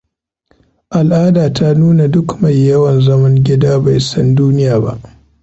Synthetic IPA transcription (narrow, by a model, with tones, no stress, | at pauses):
ʔa˨lʔaː˦daː˨tʰa˦nuː˦na˨dʊ˦kma˨jːɐ˦wɐ˨nzɐ˦mɐ˦ŋɡʲɪ˦daː˦ba˨jsɐ˦nduː˦nɪ˦jaː˨ba̰˦ʔ